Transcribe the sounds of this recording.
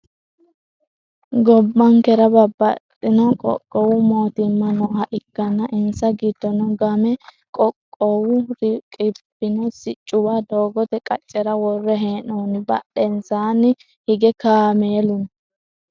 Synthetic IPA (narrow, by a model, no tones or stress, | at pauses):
ɡɔbːɐŋkɛɾɐbɐbːɐtʼːɪnɔkʼɔ̰kʼːɔwʊmoːt̪ɪmːɐnɔhɐʔɪkːɐnːɐʔɪnsɐɡid̪ːɔnɔɡɐmɛ | kʼɔkʼːɔwʊɾkʼɪbɪnɔsɪt͡ʃʼːʊwaːd̪oːɡɔt̪ɛkʼɐt͡ʃʼːɛɾɐwɔrːɛɦeːnoːnɪbɐɗɛnsaːnɪ | hɪɡɛkaːmeːlʊn